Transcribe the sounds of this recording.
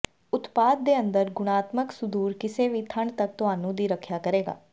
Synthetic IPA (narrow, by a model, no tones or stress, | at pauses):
ʊt̪paːd̪̚ːeːə̃nd̪əɾɡʊɽ̃aːt̪məksʊd̪uːɾkɪseːʋiːt̪ʰəɳt̪ək̚t̪ʊɦaːnũːd̪iːɾəkʰjaːkəɾeːɡa̰ː